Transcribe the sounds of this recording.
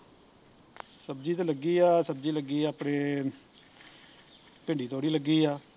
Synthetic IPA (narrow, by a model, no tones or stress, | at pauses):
səbd͡ʒiːt̪eːləɡiːaːsəb̚d͡ʒiːləɡiːaːpɽeː | pɪ̃ɳɖiːt̪ʰoːɽiːləɡːiːaː